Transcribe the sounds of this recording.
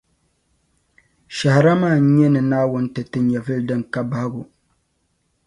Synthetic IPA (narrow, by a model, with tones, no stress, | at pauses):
ʃa˨hɪ˨ɾa˦maː˦˨n˦ɲɛ˦nɨ˨naː˦wʊ˦n˦tɨ˨tɨ˦ɲɛ˨vɨ˦ldɨ˦ŋka˦ba˦ha˦ɡʊ˨